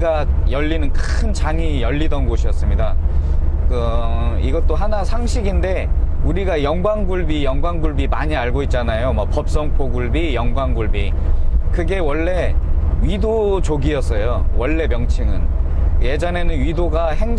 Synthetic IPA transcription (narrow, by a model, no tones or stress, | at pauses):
ɡa | jʌʎːinɯnkʰɯnt͡ɕaŋijʌʎːidʌnɡoɕʰijʌs͈ɯmɲida | kɯiɡʌt͈oɦanasʰaŋɕʰiɡinde̞uɾiɡajʌŋɡwaŋɡuɭbijʌŋɡwaŋɡuɭbimaɲiaɭɡoit̚t͡ɕ͈anajomʌk̚pʌp̚s͈ʌŋpʰoɡuɭbijʌŋɡwaŋɡuɭbi | kɯɡe̞wʌɭːe̞ɥidot͡ɕoɡiʌs͈ʌjowʌɭːe̞mjʌŋt͡ɕʰiŋɯnje̞d͡ʑʌne̞nɯnɥidoɡahe̞ŋd͡ʑ